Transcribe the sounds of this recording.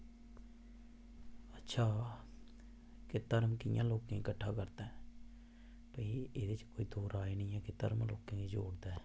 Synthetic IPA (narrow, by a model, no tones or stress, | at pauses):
ətːʃʰaː | kɪt̪əɾmkɪjã̰ːloːkẽkəʈʰːaːkəɾt̪ɛ̃ː | pəːiːeːd̪et͡ʃkoːiːd̪oːɾaːinĩːjãːkɪt̪ə̰ɾmloːkẽːid͡ʒo̰ːɽd̪ɛː